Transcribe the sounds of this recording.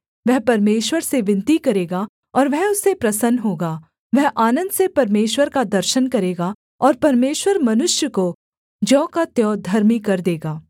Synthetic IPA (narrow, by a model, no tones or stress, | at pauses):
ʋɛɦpɐɾmeːʃwəɾseʋɪ̃nt̪ikɐɾeːɡa | ɔːɾʋɛɦʊsːepɾɐsənɦoːɡaː | ʋɛɦʔaːnə̃nd̪sepɐɾmeːʃwəɾkad̪ɐɾʃənkɐɾeːɡa | ɔːɾpɐɾmeːʃwəɾmɐnʊʃjəko | d͡ʒɔ̃ːkat̪jɔːd̪ʱɐɾmikɐɾd̪eːɡaː